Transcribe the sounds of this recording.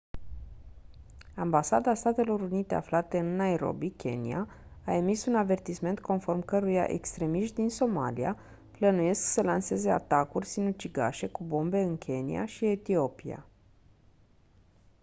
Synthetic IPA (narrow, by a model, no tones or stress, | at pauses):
ambasad̪ast̪at̪e̞lo̞ɾunit̪e̞a̰flat̪e̞ɨnːaeɾo̞̰bikʲe̞̰nḭa̰ | ae̞misunave̞rt̪isme̞nt̪̚kʰo̞nfo̞rmkəɾuja̰ʔe̞̰kst̪ɾe̞miʃt̪d̪inso̞ma̰lia | plənuje̞sksəlanse̞ze̞a̰t̪akurʲsinut͡ʃiɡa̰ʃe̞kubo̞mbe̞ɨnkʲʰe̞nḭa̰ʃie̞t̪io̞pia̰